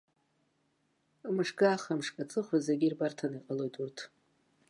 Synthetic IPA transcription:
mɨʂɡaːχamʂkʼat͡sʼɨχʷazeɡʲirbartʰaniqʼalo̞jtʰʼurtʰ

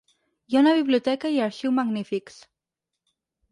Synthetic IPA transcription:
jaunaβiβliot̪ɛkaiaɾʃiwmaɣnifiks

